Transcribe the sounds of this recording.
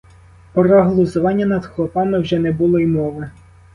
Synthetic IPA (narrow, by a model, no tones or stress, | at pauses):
pɾɐɦlˠɔzʊʋɑnʲːɐnɐd̪xlˠɔpɑmɪwʒɛnɛbulˠɔimɔʋɪ